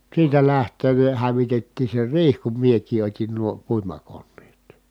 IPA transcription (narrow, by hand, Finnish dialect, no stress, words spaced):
siːtæ læhtˑeːn ne hæʋitetːiː se riːh kum miekˑiː otʲin nuo puimɑkonːeːt